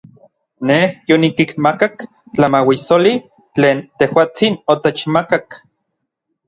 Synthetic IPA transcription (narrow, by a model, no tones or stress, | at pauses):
nehjonikikmakak | t͡ɬamawisoli | t͡ɬeːnt̪ehwaːt͡sinot̪et͡ʃmakak